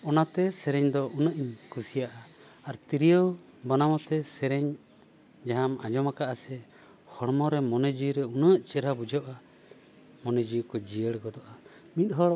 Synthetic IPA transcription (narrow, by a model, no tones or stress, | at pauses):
ɔnat̪ɛsɛɾɛɲd̪ɔʔunəʔiɲkʰusijaʔa | aɾt̪iɾijɔw | banamɔt̪ɛsɛɾɛɲ | d͡ʒaɦama̰d͡ʒɔmakaʔasɛ | hɔɽmɔɾɛmɔnɛd͡ʒujɾɛunəʔt͡ʃɛɾabud͡ʒaʔa | mɔnɛd͡ʒujkɔd͡ʒijəɽkɔd̪ɔʔa | mit̪̚ˀɦɔɽ